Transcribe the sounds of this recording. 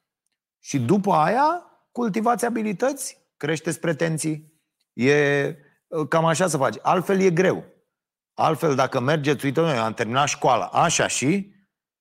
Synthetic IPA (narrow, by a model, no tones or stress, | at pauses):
ʃid̪upəaja | kult̪ivat̪sʲabilit̪ət̪sʲ | kɾe̞ʃt̪e̞t̪sʲpɾe̞t̪e̞nt̪sij | je̞ | kamaʃ̬as̬əfat͡ʃʲalt̪fe̞lje̞ɡɾe̞w | a̰lt̪fe̞ld̪akəme̞rd͡ʒet̪suit̪ənojamt̪e̞rminaʃkoalə̰ʔaʃa̰ʃi